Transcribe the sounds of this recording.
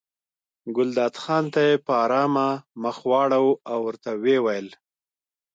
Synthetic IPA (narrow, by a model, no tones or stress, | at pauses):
ɡʊld̪ɑd̪xɑnt̪ajepəɑɾɑmaməxwɑɽawawːəɾt̪awewajəl